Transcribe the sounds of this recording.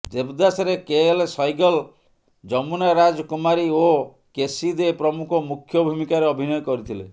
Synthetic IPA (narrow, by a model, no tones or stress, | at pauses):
d͡ʒebd̪asɔɾekeelsɔjɡɔl | d͡ʒɔmunaɾad͡ʒɔkumaɾio | kesid̪epɾɔmukʰɔmukʰjɔbʱumikaɾeɔbʱinɔjɔkɔɾit̪ʰilḛ